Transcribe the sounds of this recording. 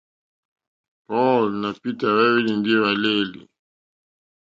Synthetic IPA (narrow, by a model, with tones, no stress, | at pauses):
pɔ˦lna˨pi˦ta˨βɛ˦wi˦li˨ndi˦βa˨le˦lḭ˨